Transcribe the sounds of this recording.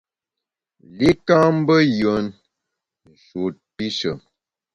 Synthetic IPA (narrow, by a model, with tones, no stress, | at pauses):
li˦ka˦m̩˦bə˦jə˨˦n | n̩˨ʃu˨t̚pi˦ʃə˨m